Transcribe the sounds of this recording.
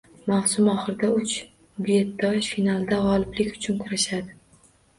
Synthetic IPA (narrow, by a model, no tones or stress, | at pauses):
mawsʊmɒχɨɾɪd̪aʊt͡ʃ | bʊjet̪ːɒʃfinalˠd̪aʁɒlɪblɪkʲʊ̥t͡ʃʰʊnkʰʊɾaʃad̪ɪ